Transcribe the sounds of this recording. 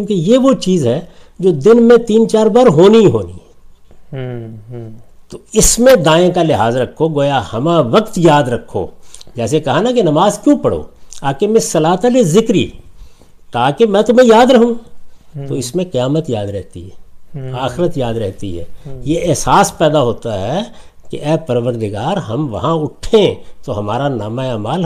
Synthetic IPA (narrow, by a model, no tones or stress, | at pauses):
ũːkejeʋot͡ʃiːzɦɛd͡ʒoːd̪ɪnmẽt̪iːnt͡ʃaːɾbɐɾɦoːniɦo̰ːnḭ | t̪oɪsmẽd̪ãːẽkalɪɦaːzɾɐkʰːoɡoːjahɐmãʋɐqt̪jaːd̪ɾɐkʰːo̰ːd͡ʒɛːsekɐɦanakenɐmaːzkjũːpɐɽo̰ːaːkemẽsɐlaːt̪alezɪkɾḭː | t̪aːkemɛ̃ːt̪ʊmẽjaːd̪ɾɐɦũt̪oɪsmẽqɐjaːmət̪jaːd̪ɾɛɦt̪ḭɦɛːaːxɪɾət̪jaːd̪ɾɛɦt̪ḭɦɛ̰ːjeʔɛɦsaːspɛːd̪aɦoːt̪aɦɛ | kḛʔɛːpɐɾʋəɾd̪ɪɡaːɾɦɐmʋɐ̰ɦãʊʈʰːẽt̪oɦɐmaːɾanaːmaeaːmaːl